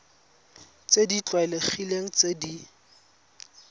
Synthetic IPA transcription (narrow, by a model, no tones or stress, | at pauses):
t͡sedit͡ɬwaɛlek͡xʰileŋ̩t͡sedi